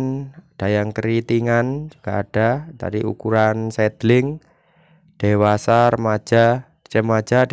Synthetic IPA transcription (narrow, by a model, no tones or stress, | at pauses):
nd̥a̤jaŋkəɾit̪iŋand͡ʒuɡ̥aːɖ̥ad̥a̰ɾiʔṵkuɾansɛd̪lɪŋ | d̥ewasaɾəmḁd͡ʒ̥a | t͡ʃəmḁd͡ʒ̥ad̥